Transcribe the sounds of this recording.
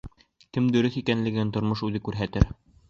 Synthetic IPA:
kɘmd̪ɵ̆ɾɵθikænlɘ̆ɡɘænt̪ŏɾmoʃʉðɘkʉɾɦæt̪ɘɾ

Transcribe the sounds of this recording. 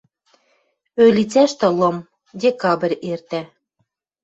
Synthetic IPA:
ølʲit͡sæʃt̪ɤ̆lˠɤ̆m | dʲekɑbɘ̆rʲert̪æ

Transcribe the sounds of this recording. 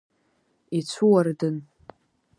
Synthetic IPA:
it͡sʷʰuwardɨn

